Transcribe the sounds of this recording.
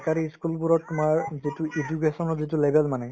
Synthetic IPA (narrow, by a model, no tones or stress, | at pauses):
kaɾiskulpuɹɔumaɹzituʔed͡ʒukesɔnɔzit̬ulebʱɛlmanɛ